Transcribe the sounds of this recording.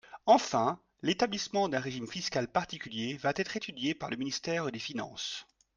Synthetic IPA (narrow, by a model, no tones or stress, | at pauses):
ɑ̃fɛ̃ | let̪ablismɑ̃d̪ɛ̃ʁeʒimfiskʲalpaʁt̪ikʲyljevat̪ɛt̪χet̪yd̪jepaʁləminist̪ɛːʁd̪efinɑ̰̃s